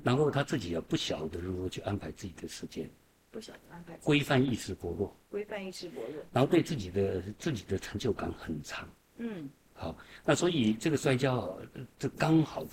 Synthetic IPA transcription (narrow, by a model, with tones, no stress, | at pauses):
na˧˥nxo˥˧ʊt̪ʰa˥t͡sɹ̩˥˩t͡ɕi˨˩jɑ˥˩ʊpu˥˩ɕjɑ˨˩ʊd̪ə˦ɻu˧˥˩ɔ˥t͡ɕʰy˥˩ʔa˥npʰa˧˥ɪt͡sɹ̩˥˩t͡ɕi˨˩d̪ə˦ʂɻ̩˧˥t͡ɕjɛ̰˥˩n˥˩˨ | kwe˥ɪfa˥˧ni˥˧ʂɻ̩˥˩pwɔ˧˥lwɔ̰˥˩˥ | nna˧˥nxt̪wɪt͡sɹ̩˥˩t͡ɕi˨˩d̪ə˦t͡sɹ̩˥˩t͡ɕi˨˩d̪ə˦ʈ͡ʂʰə˧˥ŋt͡ɕjo˥˩ʊka̰˧˥ŋxə˨˩nʈ͡ʂʰɑ˧˥ŋ̩˥˩ | xɑ˨˩˦na˥˩swɔ˧˥i˨˩ʈ͡ʂɤ˥˩ɡə˩ʂwa˥ɪt͡ɕjɑ˥ʊɐ̰˨˩ʈ͡ʂ̩˥˩kɑ˥ŋxɑ˨˩ʊd̪